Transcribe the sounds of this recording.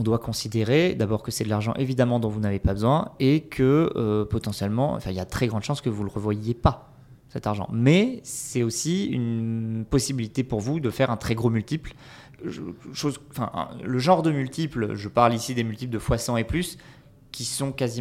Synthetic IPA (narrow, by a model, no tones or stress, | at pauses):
ɔ̃d̪wakɔ̃sid̪eʁed̪abɔʁkəsɛd̪əlaʁʒɑ̰̃ʔevid̪amɑ̃d̪ɔ̃vunavepabəzwɛ̃ekʰəøpɔt̪ɑ̃sjɛlmɑ̰̃ɑ̰̃fɛ̃iljad̪ət̪χɛɡʁɑ̃d̪ʃɑ̃skəvulʁəvwajepa | sɛt̪aʁʒɑ̰̃mɛsɛt̪osiy̰npɔsibilit̪epuʁvud̪əfɛʁɛ̃t̪χɛɡʁomylt̪ipl | ʃozɑ̃fɛ̰̃ʔləʒɑ̃ʁd̪əmylt̪iplʒəpaʁlisid̪emylt̪ipld̪əfwasɑ̃eplys | kʲisɔ̃kazi